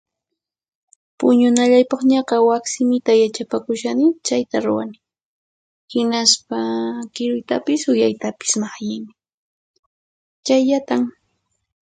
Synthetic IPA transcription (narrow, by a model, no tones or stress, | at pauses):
pʊɲʊnaʎajpɑχɲɑqɑwaksɪmɪt̪ajat͡ʃapakʊʃanɪt͡ʃajt̪aɾʊwanɪ | hɪnaspakɪɾʊjt̪apɪsʊjajt̪apɪ̥smahjɪjmɪ | t͡ʃajʎat̪am